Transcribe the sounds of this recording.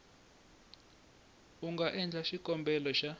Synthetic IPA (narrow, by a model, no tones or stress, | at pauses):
uŋɡaʔɛnd͡ɮʱaʃikʼɔmbʱɛlɔʃa